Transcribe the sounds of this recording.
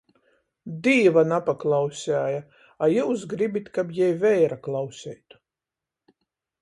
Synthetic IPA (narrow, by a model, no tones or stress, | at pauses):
d̪iːvanapaklˠawsʲæːja | ajuwsɡɾibit̪ʲkapjɛjvɛjɾaklˠawsʲɛjt̪u̥